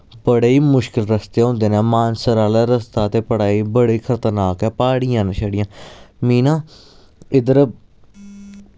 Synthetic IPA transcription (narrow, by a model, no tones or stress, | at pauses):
bəɽeːiːmʊʃkɪlɾəst̪eːɦõːnd̪eːnɛːmaːnsəɾaːlɛːɾəst̪aːt̪eːpəɽaːiːbəɽiːkʰəɾt̪əɾnaːkɛːpaːɽiːãːnəʃəɽɪjãːmiːnãː | ɪd̪əɾ